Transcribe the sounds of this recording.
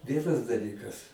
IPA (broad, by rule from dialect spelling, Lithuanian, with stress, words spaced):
ˈʋʲiɛnɐs dɐˈlʲiːkɐs